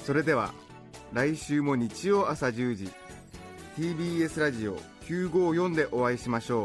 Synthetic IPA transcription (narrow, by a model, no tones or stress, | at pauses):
so̞ɾe̞d̪e̞β̞a̰ | ɾaiɕɨːmo̞ɲ̟it͡ɕio̞ːasaʑɨːd͡ʑi | t̪iːbʲiːe̞sɨɾaʑio̞̰kʲɨːɡo̞ːjõ̞nd̪e̞ʔo̞βaiɕimaɕo̞ː